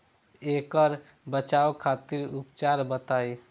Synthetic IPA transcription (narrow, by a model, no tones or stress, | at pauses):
eːkəɾ | bət͡ʃaːokʰaːt̪ɪɾʊpt͡ʃaːɾbət̪aːi